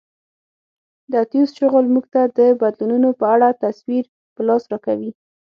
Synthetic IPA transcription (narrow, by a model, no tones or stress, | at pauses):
d̪əat̪ijusʃʊɣəlmuɡt̪ad̪əbad̪lununopəaɽat̪aswiɾ | pəlɑsɾɑkawi